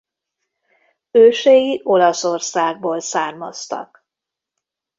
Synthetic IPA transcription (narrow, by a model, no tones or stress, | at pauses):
øːʃejiʔo̞lɒso̞rsaːɡ̚boːlsaːrmɒ̰st̪ɒ̰k